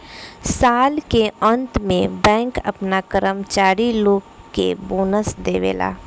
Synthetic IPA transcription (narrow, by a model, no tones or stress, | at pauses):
saːlkeə̃nt̪mẽbɛ̃ːŋkɐ̰pnakəɾəmt͡ʃaːɾiloːɡkːḛboːnəsd̪eːʋḛːla̰ː